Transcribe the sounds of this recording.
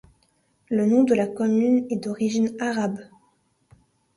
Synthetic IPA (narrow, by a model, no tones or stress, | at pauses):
lənɔ̃d̪əlakɔmynɛd̪ɔʁiʒinaʁab